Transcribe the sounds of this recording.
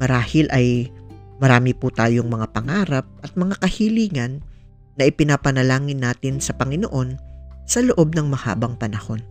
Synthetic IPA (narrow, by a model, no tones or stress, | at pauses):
mɐɾaːhɪlʔɐjmɐɾaːmɪput̪aːjoŋmɐŋapɐŋaːɾɐp̚ʔɐt̪̚mɐŋakɐhiliːŋɐnː | ɐʔɪpɪnapɐnɐlaːŋɪnːaːt̪ɪnsɐpɐŋɪnoʔo̞nsɐloʔo̞b̚nɐŋmɐha̰ːbɐŋpɐnɐho̞n